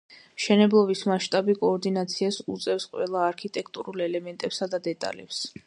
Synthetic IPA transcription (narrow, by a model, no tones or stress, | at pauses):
mʃɛnɛblˠɔbismaʃt̪ʼabikʼɔːɾd̪inat̪sʰiasut̪sʼɛfsqʼwɛ̰lˠaːɾkʰit̪ʼɛkʰt̪ʼuɾulˠɛlɛmɛnt̪ʼɛpsad̪ad̪ɛt̪ʼa̰lɛ̰ps